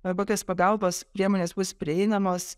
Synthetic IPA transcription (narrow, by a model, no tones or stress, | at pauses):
ɐboːkʲoːspɐɡɐlˠboːspʲɾʲiɛmoːnʲeːsbʊspʲɾʲɪɛɪnɐmoːs